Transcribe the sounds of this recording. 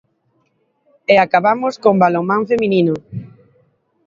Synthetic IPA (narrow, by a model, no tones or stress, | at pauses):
eakaβamʊskombalomãɱfemĩnino